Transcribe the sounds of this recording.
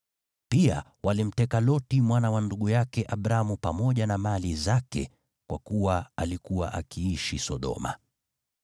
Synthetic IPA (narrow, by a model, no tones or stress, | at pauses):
pia̰ | walim̩tɛkalɔtimwanawanduɠujakɛʔaɓɾamupamɔʄanamalizakɛ̰ | kwakuwaalikuwa̰ʔakiiʃisɔɗɔ̰ma̰